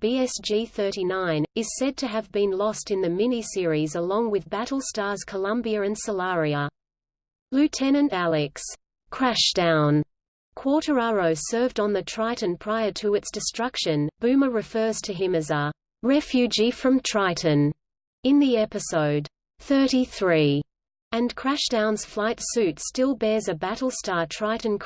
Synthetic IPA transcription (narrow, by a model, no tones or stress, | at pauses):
b̥iɛsd͡ʒiθɜ˞ɾinãɪ̃nɨz̥sɛd̚tʰɨːvbɨ̃nlɔstɨ̃nðɨmɪnisɪɹizəlɔ̃ŋwɨðbæɾl̩ˠstɑɹz̥kʰəlʌ̃mbiɨɨ̃nsəlɑɹiə | lʉtʰɛnɨ̃ntælˠɨks | kʰɹ̥æʃd̥ãʊ̃n | kʰw̥ɔɹɾə˞ɑɹoʊsɜ˞vdn̩ðɨtʰɹ̥aɪʔn̩pʰɹ̥aɪə˞ɾɨɨtsd̥ɨstɹ̥ʌkʃɨ̃nb̥ʉ̃məɹɨfɜ˞z̥tʰɨɦɪ̃mɨzə | ɹɛfjʉd͡ʒifɹʌ̃mtʰɹ̥aɪʔɨ̃n̩ | ɨ̃nðiɛpɨsoʊd | θɜ˞ɾiθɹi | ɨ̃nkʰɹ̥æʃd̥ãʊ̃nz̥flaɪtsʉtstɪlˠbɛɹzɨbæɾl̩ˠstɑɹtʰɹ̥aɪʔn̩kʰ